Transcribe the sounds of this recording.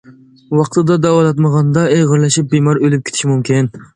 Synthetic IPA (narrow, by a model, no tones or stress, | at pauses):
wɑqt̪ʰɨd̪ɑd̪ɑwɑlˠɑt̪məʁɑnd̪ɑeʁəɾlˠɑʃip̚bimɑɾølyp̚kʲʰe̥t̪ʰʃimumkʲin